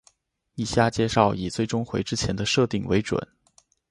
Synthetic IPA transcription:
i˥˩ɕja˥˩t͡ɕjɛ˥˧ʂɑ˥˩ʊi˨˩t͡swe˥˩ɪʈ͡ʂʊ˥ŋxwe˧˥ɪʈ͡ʂɻ̩˥t͡ɕʰjɛ˧˥nd̪ə˧ʂɤ˥˧t̪i˥˩ŋwe˧˥ɪʈ͡ʂwə̰˨˩˦n

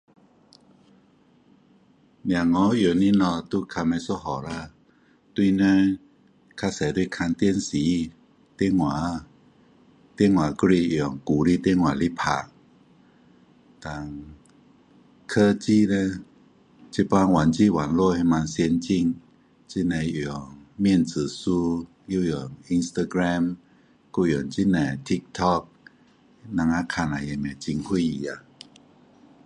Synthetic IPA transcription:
nja˨ŋɔ˧˦jo˨˩ni˧˥˨nɔ˧t̪u˧˦kʰa˧ma˧˦sɔ˦ɦɔ˨˦la˧ | t̪wi˧˨na˧˦ | kʰa˧sɛ˨˦du˧˨kʰa˧nt̪i˧ə˨nsiː˨˦ | t̪i˧˨ŋwaː˨˦ | t̪i˥˧˨ŋwaː˨˦kɾi˧˨ɔ˨ŋku˨˦ɾi˧˦˨t̪i˧˥˨ŋwaː˨˦li˦pʰa̰ː˨˩k̚ | t̪a˨˧ŋ | kʰə˧t͡ɕi˧˨nɛ˧ | t͡ɕi˧˦pa˧ŋwa˨˦nt͡ɕi˧˨wa˨˦nlo˧˨ha˧ma˧nsi˧˦ənt͡ɕi˧ŋ | t͡ɕi˧˥na˧˩ji˧˨ɔ˨ŋmi˧ə˨nsɯː˨˦su˧ | ju˧˨jɔ˨˩mi˧nst̪a˧ɡɾɛ˧m | ku˧˩jɔ˨˩ŋt͡ɕi˧˥na˨˩t̪ʰi˦k̚t̪ʰɔ˧k̚ | na˧ŋʔaː˧kʰaː˧˨na˨˦ja˧˨mɛ˨˩t͡ɕi˧ŋkʰu˧˥˨ji˧˨a˧˩

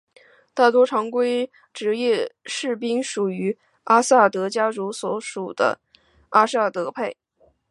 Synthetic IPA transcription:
t̪a˥˩t̪wɔ˥ʈ͡ʂʰɑ˧˥ŋkwe˥ɪ | ʈ͡ʂɻ̩˧˥jɛ˥˧ʂɻ̩˥˩pi˥ŋʂu˨˩y˧˥ | a˥sa˥˩t̪ɤ˧˥t͡ɕja˥ʈ͡ʂu˧˥swɔ˧˥ʂu˨˩d̪ə̰˦ | ʔa˥sa˥˩t̪ɤ˧˥pʰe˥˩ɪ

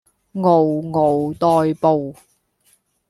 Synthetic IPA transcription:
ŋo˨wŋo˨˩wt̪ɔː˧jpo˨w

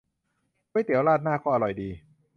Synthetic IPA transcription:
u˧˥˨jt̪i˩˦əwlaː˥˩t̪̚naː˥˩kʰɔː˥˩a˧ɾɔ˨˩jdiː˧

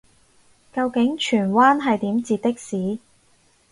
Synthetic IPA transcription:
kɐ˧wkɪ˨˥ŋt͡ʃʰyː˨˩nwaː˥nɦɐ˨jt̪iː˨˥mt͡siː˨˧t̪̚ɪ˥k̚siː˨˥

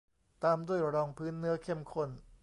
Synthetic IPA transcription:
t̪aː˧mdu˥˩əjɾɔː˧ŋpʰɯː˦˥nːɯ˦˥ɐkʰe˥˩mkʰo˥˩n

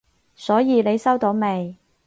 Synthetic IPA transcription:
sɔː˨˥jiː˨˧ne˨˧jsɐ˥wt̪o˨˧wme˨˧j

